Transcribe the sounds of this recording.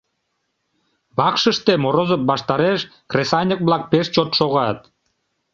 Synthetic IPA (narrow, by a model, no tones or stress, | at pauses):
bɑkʃəʃt̪emoɾozəp̚bɑʃt̪ɑɾeʃkrʲesɑnʲək̚βlɑk̚peʃt͡ɕot̪ʃoɣɑt̪